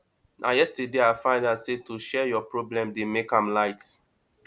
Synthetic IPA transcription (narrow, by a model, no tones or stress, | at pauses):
nʔajɛstədeaɪfãɪ̃ndasetʰuʃɛjɔpɹɔblɛ̃mdemekãmlaɪt